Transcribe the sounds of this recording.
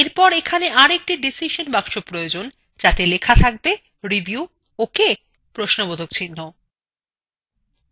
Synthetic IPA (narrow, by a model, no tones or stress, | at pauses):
eɾpɔɾekʰaneʔaɾek̚ʈiɖisiʃonbakʃopɾojod͡ʑon | d͡ʑat̪elekʰat̪ʰak̚be | ɾibju | oke | pɾoʃnobod̪ʱok̚t͡ɕʰinːo